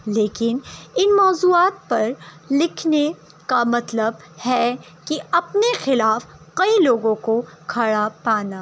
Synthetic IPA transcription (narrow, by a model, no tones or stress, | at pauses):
leːkɪnɪnmɔːzuːaːt̪̚pɐɾlɪkʰne | kamɐt̪ləb̚ | hɛ | kiɐpnexɪlaːfkɐiloːɡõkokʰɐɽapaːnaː